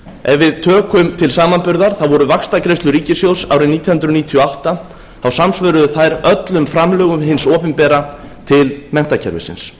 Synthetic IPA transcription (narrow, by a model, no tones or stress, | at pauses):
ɛvɪðt̪ʰœːkʏmt̪ʰɪlsaːmanpʏɾðaɾ̥θaðvɔɾʏvakst̪akɾejst̪ʏɾiːcɪsjowsa̰ːwɾɪniːt̪jinhʏnt̪ɾʏniːt̪ʰiɔawht̪a | θawsamsvœːɾʏðʏθajɾœt̪lʏmfɾamlœːɣʏmhɪnsɔːpɪmpɛːɾa | t̪ʰɪlmɛn̥t̪acʰɛ̰ɾvɪ̰sɪ̰ns